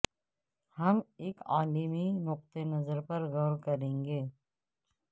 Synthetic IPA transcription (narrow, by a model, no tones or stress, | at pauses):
hɐmeːkaːliminʊq̚t̪enɐzəɾpɐɾɣɔːɾkɐɾẽːŋɡeː